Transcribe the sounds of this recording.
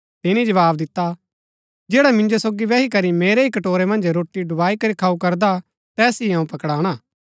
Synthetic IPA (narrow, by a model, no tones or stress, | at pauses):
t̪ɪnĩd͡ʒɐʋaːbd̪ɪt̪ːa | d͡ʒeːɽamɪ̃nd͡ʒosoːɡiʋɛːɦikɐɾimeːɾeikɐʈoːɾemɐ̃nd͡ʒɾoːʈːiɖʊbaːikɐɾikʰaːukɐɾd̪a | t̪ɛːsiãːũpɐkɽaːɽ̃aː